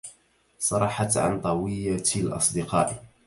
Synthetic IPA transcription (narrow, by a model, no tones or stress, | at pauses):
sˤɑɾˤɑħat̪ʕa̰nt̪ˤɑwijalʔɑ̰sˤd̪əqɑ̰ːʔ